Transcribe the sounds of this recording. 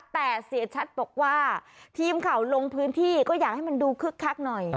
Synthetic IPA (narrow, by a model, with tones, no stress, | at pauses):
t̪ɛː˨˩si˨˩˦t͡ɕʰa˦˥t̪̚bɔː˨˩k̚waː˥˩t̪ʰiː˧mkʰa˨˩˦wlo˧ŋpʰɯː˦˥nt̪ʰiː˥˩kɔː˥˩jaː˨˩k̚ha˥˩jma˧nduː˧kʰɯ˦˥˩kʰːa˦˥k̚nɔ˨˩j